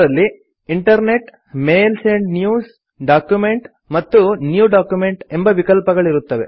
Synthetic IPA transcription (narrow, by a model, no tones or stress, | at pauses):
ɾɐlːi | iɳʈɐɾne̞ʈ | meːlseɳɖnjuːs | ɖaːkjume̞ɳʈ | mɐt̪ːunjuːɖaːkjume̞ɳʈembɐʋikɐlpɐɡɐɭiɾut̪ːɐʋḛ